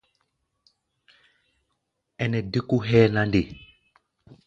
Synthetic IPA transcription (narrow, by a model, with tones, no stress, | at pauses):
ɛ˨nɛ˨di˦ku˦ɦɛ˦na˨nde˨